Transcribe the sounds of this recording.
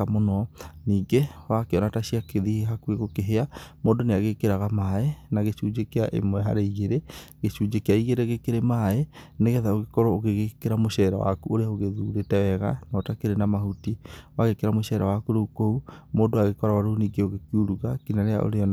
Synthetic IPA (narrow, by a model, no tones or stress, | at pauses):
amonɔniːɡewakeɔnataɕiakeðiheɦakueɣokeɦeamoːndoneaɣekeɾaɣamaenaɣeʃuːd͡ʒekeaʔḛmwɛɦa̰ɾeiɣeɾeɣeʃuːd͡ʒekeaiɣeɾeɣekeɾemaeneɣɛðaoɣekɔɾɔoɣeɣekeɾamoɕɛɾa̰wa̰kuoɾeaoɣeðuɾetɛwɛɣa̰nɔːtakeɾenamahutiwaɣekeɾamoʃɛɾawakuɾoukoumoːndoaɣekɔɾawaɾoniːɡeoɣekiuɾuɣakinaɾea̰ʔo̰ɾeɔn